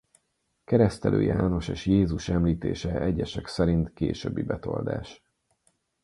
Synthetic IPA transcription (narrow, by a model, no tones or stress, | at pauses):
kɛɾɛst̪ɛlʔø̰ːjaːno̞ʃeːʃjeːzuʃɛmliːt̪ḛːʃɛɛɟɛʃɛksɛɾint̪keːʃøbːibɛt̪o̞̰ld̪a̰ːʃ